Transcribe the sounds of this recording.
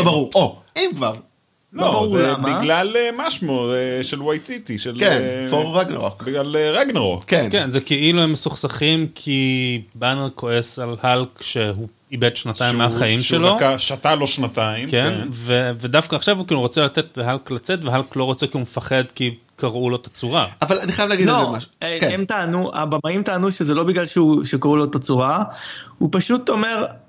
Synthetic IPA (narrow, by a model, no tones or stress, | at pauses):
obaʁuoimkvaʁ | lobmilalemaʃmoʁeʃelwajtit̪iʃelkenfoeɡnʁokbiɡlaleʁeɡneʁokkenkenzekeiluemːesuχsaχimkʰibaneʁkʰo̞e̞salhalkʃeɦu | ibedʃnat̪aimːeaχaimʃelokaʃataloʃnat̪aimkenvevedafkaːχʃavukinuʁot͡selatetleɦalklat͡setveɦalklo̞ʁo̞t͡sekihumefaχe̞d̪ki | kaʁulo̞t̪at͡suʁaavalaniχajavlaɡidlomaʃeemt̪aːnua̰bamaimtaːnuʃezelo̞biɡlalʃeuʃekaʁulot̪at͡suʁahupaʃut̪o̞me̞ʁ